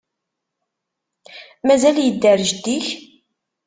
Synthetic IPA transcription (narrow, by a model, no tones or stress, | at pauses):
mæzæljəd̪ːəɾʒd̪iç